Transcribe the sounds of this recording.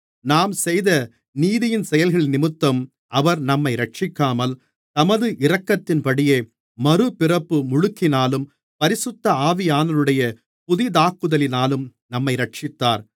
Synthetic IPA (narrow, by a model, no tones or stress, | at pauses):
naːmsɛjðɐ | niːðɪjɪnsɛjɐlɣɐɭɪnɪmɯt̪ːɐm | ʔɐʋɐɾnɐmːɐɪɾɐʈ̚t͡ʃɪkːaːmɐl | t̪ɐmɐðɯʔɪɾɐkːɐt̪ːɪnpɐɽɪjeː | mɐɾɯpɪrɐpːɯmʊɻʊkːɪnaːlɯm | pɐɾɪsɯt̪ːɐaːʋɪjaːnɐlɯɽɐjɐ | pʊðɪd̪aːkːɯðɐlɪnaːlɯmnɐmːɐɪɾɐʈ̚t͡ʃɪt̪ːaːɾ